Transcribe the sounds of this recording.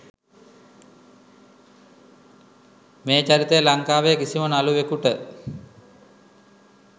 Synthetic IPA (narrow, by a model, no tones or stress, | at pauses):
meːt͡ʃaɾit̪ejəlaŋkaːʋejəkisimənaluʋekuʈə